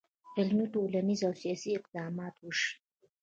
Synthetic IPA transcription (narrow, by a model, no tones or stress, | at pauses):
ɪlmiʈolanizawsijɑsiɪqd̪ɑmɑt̪wuʃi̥